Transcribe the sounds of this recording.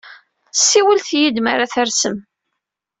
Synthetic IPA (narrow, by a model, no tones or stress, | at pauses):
θsːiwəlθjid̪maɾaθəɾsəm